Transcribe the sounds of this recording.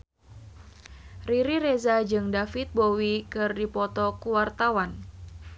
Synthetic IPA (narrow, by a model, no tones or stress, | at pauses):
riɾiɾezad͡ʒɨŋdafit̪̚bowikɨrdipɔt̪ɔkuwart̪awan